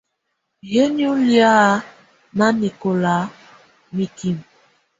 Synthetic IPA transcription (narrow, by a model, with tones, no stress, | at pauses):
je˦n˦u˦lja˦ | na˦ni˨ko˨la˨˦ | mi˨ki˨m